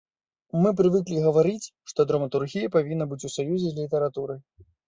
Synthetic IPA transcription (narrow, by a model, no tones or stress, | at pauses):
mɨp̬ɾɨvɨklʲiɣɐvaɾɨt͡sʲʂt̪ɔd̪ɾɐmɐt̪urɣʲijɐpavʲinːɐbɨt͡sʲusajuzʲɛlʲit̪ɐɾat̪uɾɨ